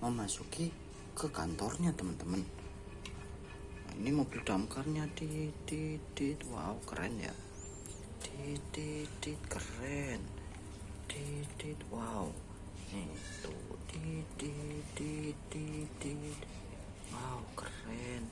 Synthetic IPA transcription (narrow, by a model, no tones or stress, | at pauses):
məmasuki | kəkant̪ɔrɲat̪əmənt̪əmən | ḭnimob̥ɪld̪̥amkarɲat̪it̪it̪it̪wa̰ukəɾɛ̰nja̰ | t̪it̪itt̪it̪̚kərɛn | t̪it̪it̪wau | nit̪ṵt̪it̪it̪it̪it̪it̪ | waukərɛn